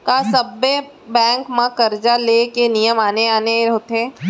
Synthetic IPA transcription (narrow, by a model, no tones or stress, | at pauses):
kasɐbːe | bɛ̃ːŋkmãkɐɾd͡ʒalekenijəmaːneaːneɦot̪ẽː